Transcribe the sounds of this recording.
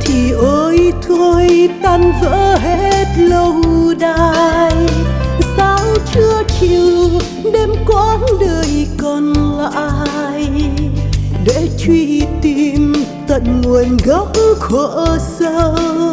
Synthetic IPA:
t̪ʰi˨˩ʔəː˨˦jt̪ʰo˧jt̪a˧˩nvə̰ː˧˥ɦe˧˥t̚lə˧wɗaː˧j | saː˨˦wt͡ɕɨ˧ət͡ɕi˨˩w | ɗe˧mkwa˧˦nɗəː˨˩jkɔ˧˩nla̰ː˧˨j | ɗḛ˧˥t͡ɕwi˧t̪i˧m | t̪ə˨nŋu˨˩ənɣə˦˥p̚xə˧˨sə˧

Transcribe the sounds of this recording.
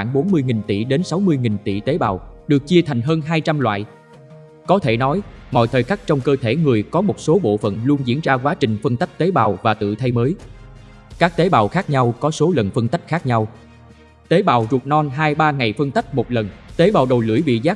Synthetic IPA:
xwaː˧˩ŋɓo˨˦nmɨ˧əjŋi˨˩ŋ̟t̪ḭ˧˩ɗe˨˦nsa˨˦wmɨ˧əjŋi˨˩ŋt̪ḭ˧˨t̪e˨˦ɓa̰ː˨˩wɗɨ˨˩ək̚t͡ɕi˧ət̪ʰa˨˩jŋ̟ɦəː˧nɦaː˧jt͡ɕa˧mlwa̰ː˧˨j | kɔ˨˦t̪ʰe˧˩nɔ˨˦jmɔ̰˧˨jt̪ʰəː˨˩jxa˦˥k̟̚t͡ɕɔ˧wŋ͡mkəː˧t̪ʰe˧˩ŋɨ˨˩əjkɔ˨˦mo˨˩t̚so˨˦ɓo̰˧˨fə̰˧˨nlu˧ənzḭ˧˥ənzaː˧kwaː˨˦t͡ɕï˨˩ŋ̟fə˧ŋt̪a˦˥jk̚t̪e˨˦ɓaː˨˩wvaː˨˩t̪ɨ̰˧˨t̪ʰa˧jməː˨˦j | kaː˦˥k̚t̪e˨˦ɓaː˨˩wxaː˦˥k̚ɲa˧wkɔ˨˦so˨˦lə˨˩nfə˧ŋt̪a˦˥jk̟̚xaː˦˥k̚ɲa˧w | t̪e˨˦ɓa̰ː˨˩wzu˨˩ət̚nɔ˧nɦaː˧jɓaː˧ŋa˨˩jfə˧nt̪a˦˥k̚mo˨˩t̚lə˨˩nt̪e˨˦ɓaː˨˩wɗə˨˩wlɨ̰˧˩əjvḭ˧˨zaː˦˥k̚

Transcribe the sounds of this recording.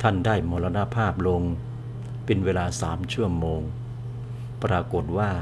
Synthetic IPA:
t̪ʰa˥˩ndaː˥˩jmoː˧la˧na˧˥pʰaː˥˩p̚lo˧ŋ | pe˧nweː˧laː˧saː˩˦mt͡ɕʰu˥˩ɐmoː˧ŋ | pɾaː˧ko˨˩t̪̚waː˥˩

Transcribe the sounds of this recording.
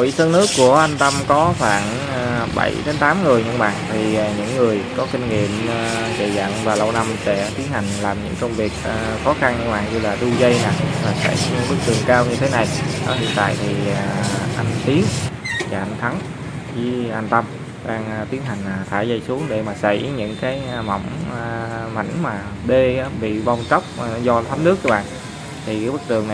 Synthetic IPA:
i˨sʰə˧nɨ˦˥əkːu˧˩əʔa˧jŋ̟t̪ə˧mkɔ˨˦xwaː˧˩nː˨˧ | ɓə̰˧˩jɗe˨˦nt̪aː˨˦mŋɨ˨˩əjɲɨ̰˧˥ŋɓa̰ː˧˨nt̪ʰiː˨˩˨ɲɨ̰˧˥ŋːɨ˨˩əjkɔ˨˦ki˧ŋ̟ŋḭ˧˨əmː˧zḛ˧˨za̰ː˧˨ŋvaː˨˩lə˧wna˧msɛ˧˥t̪i˨˦ənha˨˩ŋ̟laː˨˩mɲɨ̰˧˥ŋkə˧wŋ͡mvi˨˩ək̚ːxɔ˨˦xa˧n˧ɓa̰ː˨˩ŋɲɨ˧laː˨˩ɗu˧zə˧jnaː˨˩laː˨˩sa̰˧˩jɲɨ̰˧˥ŋɓɨ˦˥k̚t̪ɨ˨˩əŋkaː˧wɲɨ˧t̪ʰe˨˦na˨˩jnɔ˨˦ɦḭ˧˨ənt̪a̰ː˧˨jt̪ʰi˨˩aː˨˩ʔa˧jŋ̟t̪i˨˦əŋvaː˨˩ʔa˧ŋ̟t̪ʰa˨˦ŋ | zɨ˧˨˦ʔa˧ŋt̪ə˧m | ɗaː˧ŋː˨t̪i˨˦ənɦa˨˩jŋ̟aː˨˩t̪ʰaː˧˩jzə˧jsu˨˦əŋɗe˧˩maː˨˩sa̰˧˩jɲɨ̰˧˥ŋkaː˨˦jmɔ̰˧˩wŋ͡m | ma̰˧˩jŋmaː˨˩ | ɓe˧aː˨˦ɓḭ˧˨ɓa˧wŋ͡mt͡ɕə˦˥wk͡p̚ːzɔ˧t̪ʰa˨˦m̚nɨ˦˥ək̚aː˨˦ɓa̰ː˧˨ | t̪ʰi˨˩kaː˨˦ɓɨ˦˥k̚t̪ɨ˨˩əŋna˨

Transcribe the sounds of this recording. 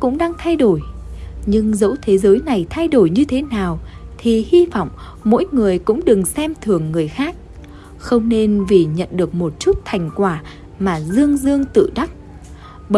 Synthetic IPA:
kʊ̰˧˥ŋ͡mɗaː˧ŋt̪ʰa˧jɗo˧˩jɲɨ˧ŋzə̰˧˥wt̪ʰe˨˦zəː˨˦jna˨˩jt̪ʰa˧jɗo˧˩jɲɨ˧t̪ʰe˨˦naː˨˩wt̪ʰi˨˩hi˧vɔ̰˧˨wŋ͡m | mo̰˧˥jŋɨ˨˩əjkʊ̰˧˥ŋ͡mɗɨ˨˩ŋsɛ˧mt̪ʰɨ˨˩əŋːɨ˨˩əjxaː˦˥k̚ | xə˧wŋ͡mne˧nvi˨˩ɲə̰˧˨nɗɨ˨˩ək̚mo˨˩t̚t͡ɕu˦˥t̚t̪ʰa˨˩jŋ̟kwaː˧˩ | maː˨˩zɨ˧əŋzɨ˧əŋt̪ɨ̰˧˨ɗa˦˥t̚ | ɓə˧

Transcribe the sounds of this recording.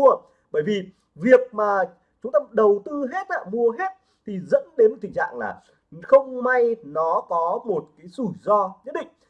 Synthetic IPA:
ə | ɓəː˧˩jvi˨˩ | vi˨˩ək̚maː˨˩ | t͡ɕʊ˨˦ŋ͡mt̪ə˧mɗə˨˩wt̪ɨ˧ɦe˦˥t̚la̰ː˧˨mu˧əɦe˦˥t̚ | t̪ʰi˨˩zə̰˧˥nɗe˨˦n˨˩t̪ʰi˨˩t͡ɕa̰ː˧˨ŋla̰ː˨˩ | xə˧wŋ͡mma˧jnɔ˨˦kɔ˨˦mo˨˩t̚kaː˨˦jsu˧˩zɔ˧ɲə˦˥t̚ɗḭ˧˨ŋ̟

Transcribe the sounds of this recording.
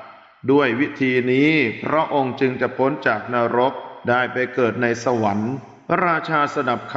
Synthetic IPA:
du˥˩əjwi˦˥t̪ʰiː˧niː˦˥pʰɾɔ˦˥ʔo˧ŋt͡ɕɯ˧ŋt͡ɕa˨˩ʔpʰo˦˥nt͡ɕaː˨˩k̚naː˧ɾo˦˥p̚daː˥˩jpa˧jkɤː˨˩t̪̚na˧jsa˧wa˩˦nʰ˦ | ɾaː˧t͡ɕʰaː˧sa˧na˨˩p̚kʰ

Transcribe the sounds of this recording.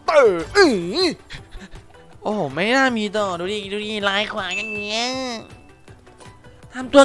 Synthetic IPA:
pɤː˨˧˩ʔi˨˧˩ | ʔoː˧˩ma˥˩naː˥˩miː˧t̪ɔː˨˧˩duː˧˩iː˧duː˧˦diː˧˩laː˨˦˥jkʰwaː˨˦ŋja˧˨ŋːi˧˦˥ɐə | t̪ʰa˧mt̪u˧ɐ

